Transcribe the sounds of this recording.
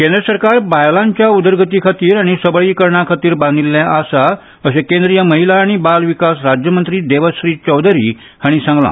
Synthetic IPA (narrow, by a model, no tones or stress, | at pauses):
kẽnd̪ɾəsəɾkaɾbajlãɲt͡ɕjaud̪əɾɡət̪ikʰat̪iːɾaɽ̃isəbɭiːkəɾɳakʰat̪iːɾbãnd̪ʱilːjaʔasa | əɕekẽnd̪ɾijəməɦilaːɽ̃ibalʋikasɾad͡ʑjəmənt̪ɾiːd̪eʋəsɾiːt͡ɕəwd̪ʱɾḭː | haɽ̃isãŋɡlã̰